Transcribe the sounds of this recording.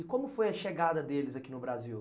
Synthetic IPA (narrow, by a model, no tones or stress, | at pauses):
ɪkõmʊfojɐʃeɡad̪ɐd̪elɪzɐkinʊbɾaziw